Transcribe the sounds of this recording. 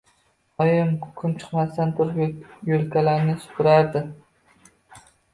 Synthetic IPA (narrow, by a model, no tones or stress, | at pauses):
ɒjɪmkʰʊ̥kʰʲʊmt͡ʃʰɨ̥qmast̪ant̪ʰʊɾjolkʲʰalaɾnɪsʊ̥t̪ʰʊɾaɾd̪ɪ